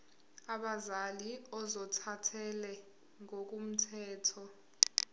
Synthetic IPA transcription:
aɓazaliɔzɔtʰatʰɛlɛ | ŋok̬ʼum̩tʰɛːtʰɔ

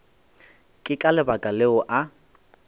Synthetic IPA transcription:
kʼɪkʼalɪbakʼaleʊʔa

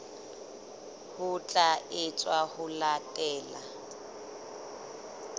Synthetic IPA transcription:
hʊt͡ɬʼaʔɪt͡sʼwahʊlatʼɛːla

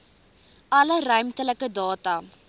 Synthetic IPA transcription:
ɐlərœɥmtələkədɑːtɐ

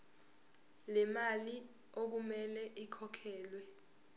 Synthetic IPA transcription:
lɛmali | ok̬umɛlɛʔikʰɔkʰɛːlwɛ

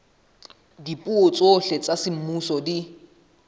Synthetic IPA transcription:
dipʼuot͡sʼoɬɛt͡sʼasɪm̩musɔdi

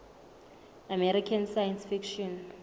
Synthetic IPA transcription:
amɛɾikʰansajɛnsfikʃɔn

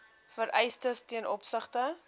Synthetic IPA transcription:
fəɾʔɛjstəstiənʔɔpsəχtə

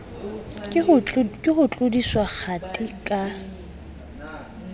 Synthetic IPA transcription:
kʼɪχʊt͡ɬʼʊdiswak͡xʰatʼikʼa

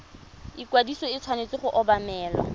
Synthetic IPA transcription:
ɪkwadisɔɪt͡sʰwanet͡sɪχʊʔɔbamɛːlɔ̰

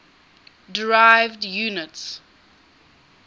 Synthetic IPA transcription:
dɹaɪvdjuːnɪts

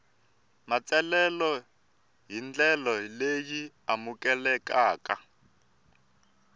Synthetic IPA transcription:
mat͡sɛlɛlɔ | ɦind͡ɮɛlɔleji | amukʼɛlɛkaːka

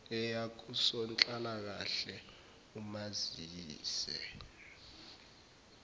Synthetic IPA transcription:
ɛjak̬usɔnt͡ɬʼalak̬aɬɛ | umaziːsɛ̰

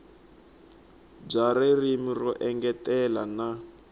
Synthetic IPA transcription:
b͡ʐaɾerimirɔʔɛŋɡɛtɛlana

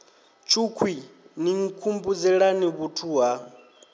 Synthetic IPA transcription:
t͡ʃʰukʰwiniŋ̩kʰumbud͡zɛɺaniβutʰuɦa

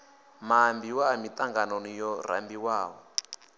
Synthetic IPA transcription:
mambiwamit̪aŋɡanonijɔr̤a̰mbiwaːwɔ

